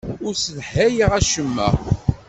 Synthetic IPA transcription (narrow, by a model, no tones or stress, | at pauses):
ʊɾsəðħːæjiʁæʃəmːæ̰